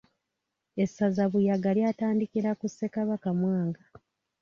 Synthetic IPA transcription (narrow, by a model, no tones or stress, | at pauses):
esːazaβujaɡaljataːndikiɾakusːe̞kaβakamwaːŋɡa